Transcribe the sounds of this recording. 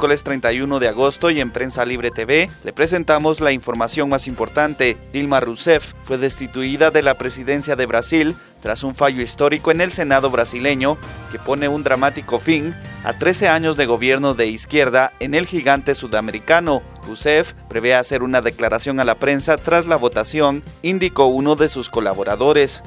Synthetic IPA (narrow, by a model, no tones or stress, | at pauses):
kole̞st̪ɾe̞jnt̪ajuno̞ðe̞aɣo̞st̪o̞jempɾe̞nsaliβ̞ɾe̞t̪eβe̞le̞pɾe̞se̞nt̪amo̞zlaiɱfo̞ɾmasjo̞ŋmasimpo̞ɾt̪ant̪e̞d̪̥ilmarusefːwe̞ðe̞st̪it̪uiðaðe̞lapɾe̞siðe̞nsjaðe̞βɾasil | t̪ɾasuɱfaʝoist̪o̞ɾiko̞e̞ne̞lse̞naðoβɾasile̞ɲo̞ke̞po̞ne̞und̪ɾamat̪iko̞fina̰t̪ɾe̞se̞aɲo̞zðe̞ɣ̞o̞βje̞ɾno̞ðe̞iskje̞ɾðae̞ne̞lxiɣant̪e̞suðame̞ɾikano̞ | rusefpɾeβeaːse̞ɾunaðe̞klaɾasjo̞ŋalapɾe̞nsat̪ɾazlaβo̞t̪asjonind̪iko̞uno̞ðe̞susko̞la̰βo̞ɾaðo̞ɾe̞s